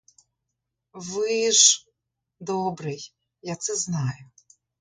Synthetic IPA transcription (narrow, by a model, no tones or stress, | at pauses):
ʋɪʒ | d̪ɔbɾɪj | jat̪sɛznɑjʊ